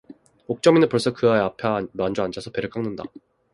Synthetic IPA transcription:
ok̚t͡ɕ͈ʌminɯpoɭs͈ʌkɯaeapʰamand͡ʑoand͡ʑʰasʰʌpe̞ɾɯk͈aŋnɯnda̰

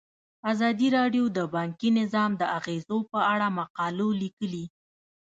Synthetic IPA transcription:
azɑd̪iɾɑɖjod̪əbɑŋkinɪzɑmd̪əaɣezopəaɽamaqɑlolikəli

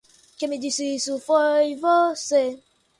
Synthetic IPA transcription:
kemid͡ʒisiisufɔivose

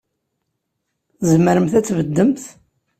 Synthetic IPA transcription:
zməɾəmθæt͡sːvəd̪ːəmθ

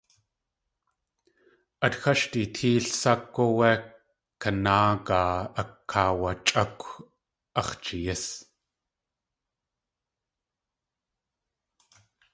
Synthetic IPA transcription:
ʔɐtxɐʃtitʰiːɬsɐkːowɛ | kːɐnaːkaːɐkʰːaːwɐt͡ʃʼɐkʷ | ɐχt͡ʃijɪs

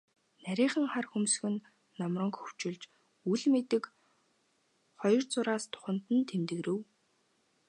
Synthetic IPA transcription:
næɾʲiːχə̆ŋχarxumsxɘ̆nː | ɔmrɞ̆ŋkxɵw̥t͡ɕɪ̆ɮt͡ɕ | uɮmet̪ɘ̆k | χɔjɞ̆rt͡sʊɾaːst̪ʰʊ̥χə̆n̥t̪ə̆nt̪ʰemt̪ɘ̆ɣɾɘ̆w

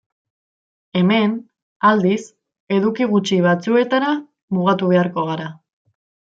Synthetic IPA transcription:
e̞me̞n | ald̪is | e̞ðukiɣut͡ʃiβ̞at͡sue̞t̪aɾa | muɣ̞at̪uβ̞e̞aɾko̞ɣ̞aɾa

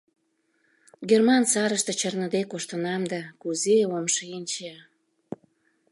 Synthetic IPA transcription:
ɡermɑnsɑɾəʃt̪et͡ɕərnə̆d̪ekoʃt̪ənɑmd̪ɑkuzeomʃinʲt͡ɕe

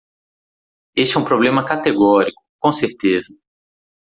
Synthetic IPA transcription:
est͡ʃɛ̃ũpɾoblẽmɐkat̪eɡɔɾikʊ̥kõseɾt̪ezɐ

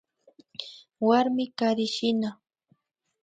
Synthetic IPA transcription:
waɾmɪkaɾɪʃɪna

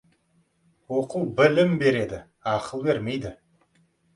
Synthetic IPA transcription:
wo̞quwbɪlɪmbe̞ɾe̞d̪ɪ | ɑqəlˠbe̞ɾme̞jd̪ɪ

